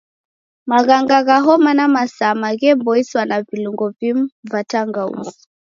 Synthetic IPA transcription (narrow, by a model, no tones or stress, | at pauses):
maɣaŋɡaɣaɦɔmanamasamaɣɛmbɔiswanaviluŋɡɔvim̩vataŋɡaṵzi̥